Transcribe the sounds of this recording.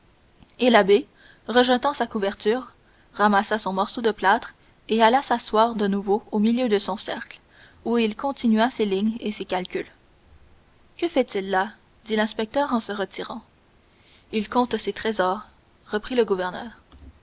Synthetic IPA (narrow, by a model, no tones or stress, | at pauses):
elabe | ʁəʒət̪ɑ̃sakuvɛʁt̪yːʁ | ʁamasasɔ̃mɔʁsod̪əplat̪χ | ealasaswaːʁd̪ənuvoomiljød̪əsɔ̃sɛʁkl | uilkɔ̃t̪inɥaseliɲesekʲalkʲyl | kəfɛt̪ilːa | d̪ilɛ̃spɛk̚t̪œʁɑ̃səʁət̪iʁɑ̃ | ilkɔ̃t̪set̪χezɔːʁː | əpχiləɡuvɛʁnœːʁ